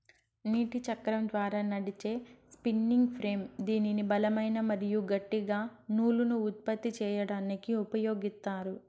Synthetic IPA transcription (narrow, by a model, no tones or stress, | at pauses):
niːʈit͡ʃɐkːɐɾɐmd̪ʋaːɾaːnɐɽit͡ʃe̞ːspinːiŋɡpʰɾe̞ːmd̪iːninibɐlɐmɐjnɐmɐɾijuɡɐʈːiɡaːnuːlunuːt̪̚pɐt̪ːit͡ʃɛːjɐɽaːnikiupɐjo̞ːɡist̪aːɾu